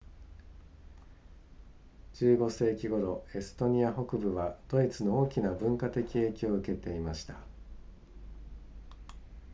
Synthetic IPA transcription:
d͡ʑɨːɡo̞se̞ːkʲiɡo̞ɾo̞e̞sɨ̥t̪o̞ɲ̟iaɦo̞kɯ̟bɯ̟βad̪̥o̞it͡sɨno̞oːkʲinabɯ̟̃ŋkat̪e̞kʲie̞ːkʲoːɯ̟ke̞t̪e̞imaɕi̥t̪a

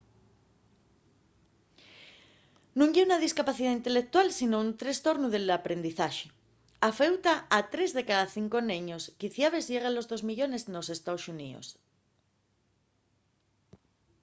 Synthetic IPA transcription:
nũŋʝeunað̞iskapaθiðaint̪e̞lek̚t̪walsinount̪ɾe̞st̪o̞ɾnuðe̞lapɾe̞nd̪iθaʃe | afe̞wt̪aat̪ɾe̞zðe̞kaðaθiŋko̞nẽɲoskiθjaβ̞e̞zʝe̞ɣ̞anlo̞zðo̞zmiʎo̞ne̞zno̞se̞st̪aosunḭo̰s

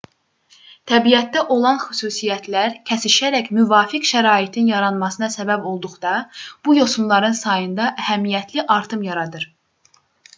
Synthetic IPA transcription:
t̪ʰæbijæt̪̚d̪æʔo̞lˠɑnxysuːsijæt̪ʰlæɾcʰæsiʃæɾæçmyvɑːfikʃæɾɑːit̪ʰinjɑɾɑnmɑsɯnɑsæbæbo̞lˠd̪uχd̪ɑb̥ujo̞sumlˠɑɾɯnsɑjɯnd̪ɑʔæhæmijæt̪ʰliʔɑɾt̪ʰɯmjɑɾɑd̪ɯɾ

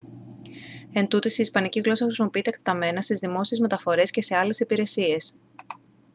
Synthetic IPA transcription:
e̞nt̪ut̪isiːspɐniciɣlo̞sɐxɾisimo̞piit̪ekt̪e̥t̪ɐme̞nɐst̪izðimo̞siezme̞t̪ɐfo̞ɾe̞sce̞se̞ɐle̞sipiɾe̞sie̞s

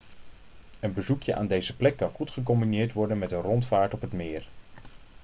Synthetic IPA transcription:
ənbəzukjəʔa̰ːndejzəplɛkːɑnχutχək̬ɔmbinɪːɹtʋɔɹdənmɛtənrɔntfaːɹtɔpɦətmɪːɹ

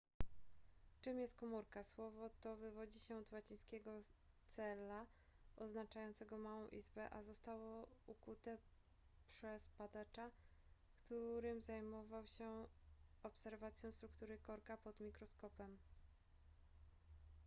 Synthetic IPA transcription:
t͡ʂɘmjɛst̪̚kɔmuɾkaswɔvɔt̪ɔvɘvɔd͡ʑiɕɛt̪wat͡ɕĩj̃skʲɛɡɔ | t̪sɛla | ɔznat͡ʂajɔnt̪sɛɡɔmawɔ̃w̃ʔizbɛʔazɔst̪awɔukut̪ɛ | pʂɛspad̪at͡ʂa | kt̪uɾɘmzajmɔvawɕɛ | ɔpsɛɾvat̪sʲjɔ̃w̃st̪ɾukt̪uɾɘkɔɾkapɔd̪mʲikɾɔskɔpɛm

